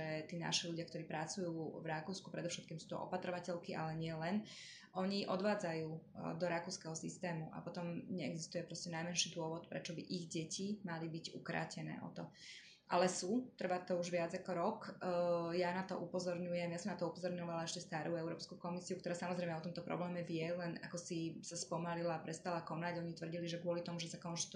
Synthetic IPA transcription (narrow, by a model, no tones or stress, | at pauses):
ɛt̪iːna̰ʃiʎuɟɪakt̪ɔɾiːpɾat͡sujuːvɾakuːskupɾɛd̪ɔfʃɛt̪kiːmsu̥ːt̪ɔ̰ʔɔ̰pat̪ɾɔʋacɛʎkiʔalɛɲɪɛlɛn | ʔɔɲiʔɔd̪ʋaːd͡zajuːd̪ɔɾakuːskɛɦɔsḭst̪ɛːmuʔa̰pɔt̪ɔmɲɛɛɡzist̪ujɛpɾɔscɛnajmɛnʃiːd̪ʊɔʋɔt̪pɾɛt͡ʃɔbḭʔiɣɟɛcimalibiɟṵkɾa̰ːcɛnɛ̰ːʔɔ̰t̪ɔ | ʔa̰lɛsut̪r̩ʋat̪ɔuʒʋɪad͡zakɔɾɔk | janat̪ɔʔupɔzɔɾɲujɛmjasɔmnat̪ɔupɔzɔɾɲɔʋalaɛʃcɛst̪aɾuːɛʊɾɔːpskukɔmisiukt̪ɔɾaːsamɔzɾɛɪjmɛɔt̪ɔmt̪ɔpɾɔ̰blɛːmɛvjɛlɛna̰kɔsisaspɔmalilaːpɾɛst̪alakɔnaɟɔɲit̪ʋr̩ɟiliʒɛɡʊɔlit̪ɔmuʒɛsakɔnʒt̪